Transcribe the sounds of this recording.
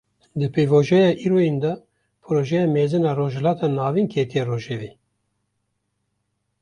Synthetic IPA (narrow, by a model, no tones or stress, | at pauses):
d̪ɨpʰevoːʒɛjɑːʔiːɾojend̪ɑ | pʰɨɾoːʒɛjɑmeːzɨnɑːroːʒhɛlɑːt̪ʰɑːnɑːvinkʰeːt̪ʰijeroːʒeviː